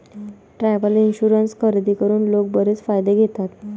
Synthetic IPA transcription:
ʈɾajʋəlinɕuɾənskʰəɾd̪iːkəɾuːnlok̚bəɾet͡sfajd̪eɡʱet̪at̪

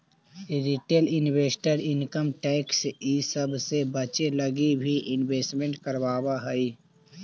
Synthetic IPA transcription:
ɾiʈeːlɪnweːsʈəɾɪnkəmʈɛːksisəbsebɐt͡ʃelɐɡibʱiʔɪnweːsʈmẽɳʈkəɾwaːwaɦəi

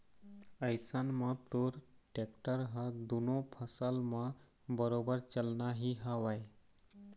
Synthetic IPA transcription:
əjsanmat̪oɾʈek̚ʈəɾɦəd̪unopʰəsalma | bəɾobəɾt͡ɕəlnaɦiɦaʋaj

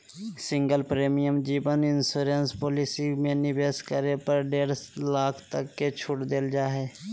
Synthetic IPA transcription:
sɪ̃ŋɡəlpɾeːmijəmd͡ʒiːbənɪnsuːɾenspoːlɪsimẽnɪbeːskəɾepəɾɖeːɾlaːkʰt̪əkːet͡ʃʰʊʈd̪eld͡ʒaːɦɛː

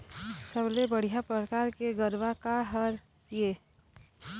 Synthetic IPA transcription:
səblebəɽ̤ijapɾəkaːɾkeɡəɾʋakaɦəɾ | jeː

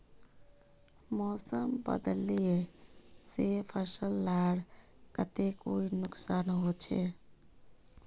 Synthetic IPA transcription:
mɔsəmbə̰d̪əlijesepʰəsəlːaɽ | kət̪ekoinʊksaːnɦot͡ʃʰe

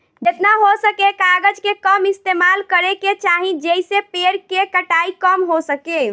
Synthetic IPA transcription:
d͡ʒet̪naɦosəkekaɡəd͡ʒkekəmist̪emalkəɾeket͡ʃaɦĩd͡ʒeisepeɾkekəʈaikəmɦosəke

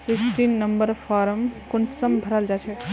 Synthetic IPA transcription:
siksʈinːɐmbəɾpʰaɾəmkʊnsəmbʱəɾald͡ʒat͡ʃʰɛ

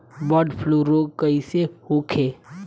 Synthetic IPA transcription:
bɔːɖpʰloɾoːɡkəisehoːkʰeː

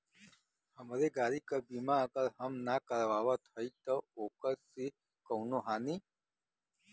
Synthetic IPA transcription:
həmɾeɡaːɾikabiːmãəɡəɾɦəmnakəɾʋaːʋat̪ʰɐit̪əoːkəɾsi | kəːnoɦaːniː

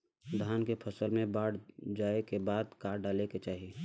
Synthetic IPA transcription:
d̪ʱaːnkepʰəsəlmẽbaːɽd͡ʒaːekebaːd̪kaːɾɖaːleket͡ʃaːɦie

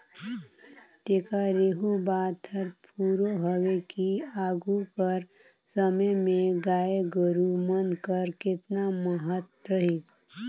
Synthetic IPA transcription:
t̪eːkaɾeːɦubaːt̪ʰəɾpʰuːɾoɦəwekiaːɡukəɾ | səməmẽɡaːeɡəɾumənkəɾkɪt̪naməɦət̪ɾəɦis

